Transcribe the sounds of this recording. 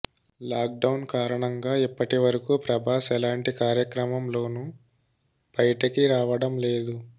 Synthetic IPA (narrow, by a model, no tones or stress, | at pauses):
laːk̚ɖɐwnkaːɾɐɳɐŋɡaːipːɐʈiʋɐɾɐkupɾɐbʱaːsɛlaːɳʈikaːɾjɐkɾɐmɐmlo̞ːnu | b̥ɐjʈɐkiɾaːʋɐɽɐmle̞ːd̪u